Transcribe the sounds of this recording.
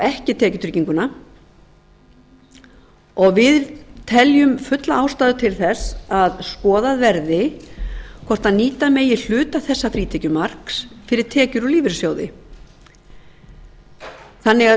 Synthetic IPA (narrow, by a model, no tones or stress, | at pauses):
ɛhcɪt̪ʰɛːcʏt̪ʰɾɪciŋkʏna | ɔɣvɪðt̪ʰɛljʏmfʏt̪laaːwst̪aːðʏt̪ʰɪlθɛsaðskɔːðaðvɛɾðɪ | kʰɔɾ̥t̪aðniːt̪ameːjɪl̥ʏːt̪aθɛsːafɾiːt̪ʰɛcʏmar̥ksfɪɾɪɾ̥t̪ʰɛːcʏɾɔliːvɪɾsjoːwðɪ̰ | θanːɪɣa